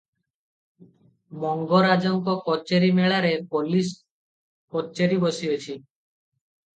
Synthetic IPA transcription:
mɔŋɡoɾad͡ʒɔŋkɔkɔt͡ʃeɾimeɭaɾepolis | kɔt͡ʃeɾibosiot͡ɕʰi

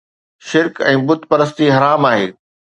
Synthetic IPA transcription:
ʃɪɾkɛ̃ːbʊt̪pɐɾəs̬t̪iɦɐɾaːmaːɦeː

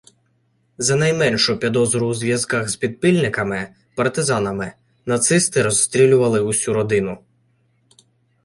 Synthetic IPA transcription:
zɐnɐjmɛnʲʃʊpʲid̪ɔzɾʊwzʋʲjɐzkɑxzpʲid̪̚pilʲnɪkɐmɪ | pɐrt̪ɪzɑnɐmɪ | nɐt̪sɪst̪ɪɾɔsst̪ɾʲilʲʊʋɐlˠɪʊsʲuɾɔd̪ɪnʊ

